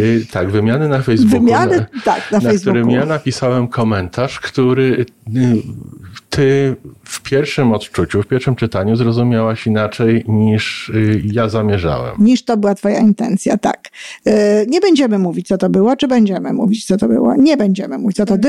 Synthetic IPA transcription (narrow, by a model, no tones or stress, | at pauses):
t̪aɡvɘmʲjanɘnafɛjzbvumʲjant̪a̰knafnaɛjkzb̪uuɾɪmjjanapʲisawɛmkʰɔmɛnt̪ʰaʂkt̪uɾɘ | t̪ʰɘfpʲjɛɾfʂɘmɔt̪t͡ʂut͡ɕufpʲjɛɾfʂɘmt͡ʂɘt̪aɲuzɾɔzumʲjawaɕinat͡ʂɛjɲiʂjazamʲjɛʐa̰wɛ̰mɲiʂt̪ɔbɘwat̪fɔja̰int̪ɛ̰nt̪sʲja̰t̪a̰k | ɲɛbɛɲd͡ʑɛmɘmuvʲit͡ɕʲt̪sɔt̪ɔbɘwɔt͡ʂɘbɛɲd͡ʑɛmɘ̰mṵvʲit͡ɕt̪ɔt̪ɔbɘ̰wɔ̰ɲɛbɛɲd͡ʑɛmɘmuvʲit͡ɕ̪sɔt̪ɔd̪